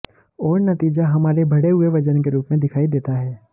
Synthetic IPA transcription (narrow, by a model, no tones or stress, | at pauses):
ɔːɾnɐt̪iːd͡ʒaɦɐmaːɾebʱɐɽeɦʊeʋɐd͡ʒənkeɾuːpmẽd̪ɪkʰaːid̪eːt̪aɦɛː